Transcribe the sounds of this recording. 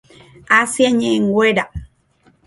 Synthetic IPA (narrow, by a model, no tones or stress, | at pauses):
asjaɲeʔŋɡweɾa